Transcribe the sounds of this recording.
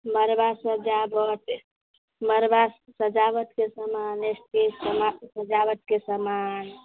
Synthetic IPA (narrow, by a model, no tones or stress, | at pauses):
məɾbasəd͡ʒabət̪ | məɾbasəd͡ʒaβət̪kesəmanesʈ̪esəmasəd͡ʒabət̪̚kesəman